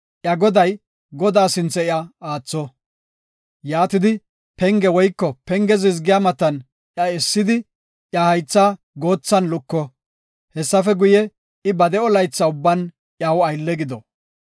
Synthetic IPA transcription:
ʔjɐɡɔd̪ɐj | ɡɔd̪aːsɪnt͡sːɛɪɐaːt͡sːɔ | jaːt̪ɪd̪ɪ | pɛŋɡɛwɔjkːɔpɛŋɡɛzɪzɡɪjamɐt̪ːɐn | ʔjɐɪsːɪd̪ɪ | jɐhɐjt͡sːaː | ɡo̞ːt͡sːɐnlʊkːɔ | hɛsːɐfɛɡʊjɛ | ɪbɐd̪ɛɔlɐjt͡sːɐʊbːɐn | ʔjɐwɐjlːɛɡɪd̪ɔ

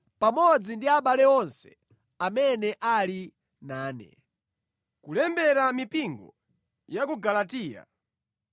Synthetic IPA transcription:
pamɔd͡zindiaɓalɛɔnsɛ̥ | amɛnɛʔali | naːnɛ̰ | kulɛmbɛɾamipiŋɡɔ̰ | jakuɡalatiːja̰

